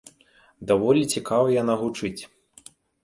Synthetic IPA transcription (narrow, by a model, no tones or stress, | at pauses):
d̪avɔlʲit͡sʲikavɐjanaɣut͡ʂɨt͡sʲ